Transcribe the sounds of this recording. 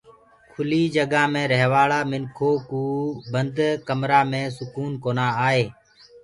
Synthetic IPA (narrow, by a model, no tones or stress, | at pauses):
kʰʊliːd͡ʒəɠãːmẽːɾəɦʋaːɭaːmɪnkʰoːkuːbənd̪kəmɾaːmẽːsʊkuːnkoːnaːaːɦeː